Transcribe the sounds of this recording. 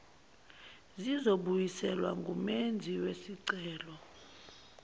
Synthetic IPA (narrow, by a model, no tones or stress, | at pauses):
zizoɓujisɛlwa̰ŋɡʱumend͡zʱiwesiǀɛːlɔ